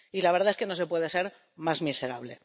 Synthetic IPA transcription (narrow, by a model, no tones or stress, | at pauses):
ilaβe̞ɾðaeske̞no̞se̞pwe̞ðe̞se̞ɾ | mazmise̞ɾaβle̞̰